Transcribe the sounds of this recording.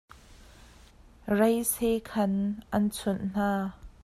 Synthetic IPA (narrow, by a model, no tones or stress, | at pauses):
rɐjsekʰɐnʔɐnt͡sʰʊnn̥aː